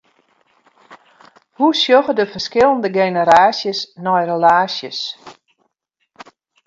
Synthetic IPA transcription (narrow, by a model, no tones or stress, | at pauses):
husjoɣədəfəskɪlˠəndəɡejnəɾaːsjəsnɔjrəlaːsjəs